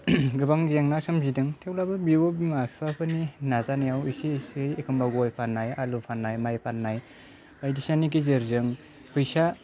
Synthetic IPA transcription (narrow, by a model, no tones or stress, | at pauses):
ɡɯbaŋɡijaŋnasɯmzidɯŋtʰewlabɯbiobimasapʰɯninazanajawisisɯjekʰɯmbaɡɔjpʰanːajalupʰanːajmajpʰanːaj | bajdisnanik̬izɯɾzɯŋ | pʰɯjsa